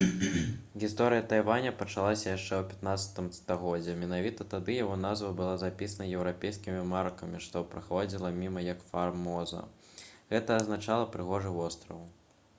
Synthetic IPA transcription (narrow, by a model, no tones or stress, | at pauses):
ɣʲist̪ɔɾɨjɐt̪ajvanʲɐpɐt͡ʂalˠasʲɐjaʂt͡ʂɛwpʲat̪nat̪sɐ̥t̪ɨmst̪aɣɔd͡zʲːɛmʲɛnavʲit̪ɐt̪ad̪ɨjaɣɔnazvɐbɨlˠazapʲisɐnɐjɛwɾapʲejskʲimʲimarkɐmʲiʂt̪ɔpɾɨxɔd͡zʲilˠɐmʲimɐjɐkfarmɔzɐ̰ | ɣɛt̪ɐːznat͡ʂalˠɐpɾɨɣɔʐɨvɔst̪ɾɐw